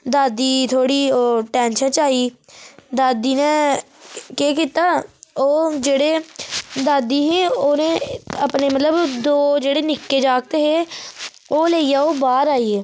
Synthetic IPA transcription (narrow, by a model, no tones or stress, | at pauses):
d̪aːd̪iːt̪ʰoːɽiːoːʈɛ̃ːnʃət͡ʃaːiːd̪aːd̪iːnẽː | keːk̬ɪt̪aːoːd͡ʒeːɽeːd̪aːd̪iːɦeːoːnẽːəpneːmət̪ləbd̪oːd͡ʒeːɽeːnɪkːeːd͡ʒaːk̚t̪eɦeː | oːleːijaːoːbaːɾaːiːeː